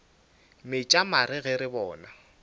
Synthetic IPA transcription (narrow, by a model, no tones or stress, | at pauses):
mɪt͡ʃʼamaɾɪɣɛɾɪbɔːna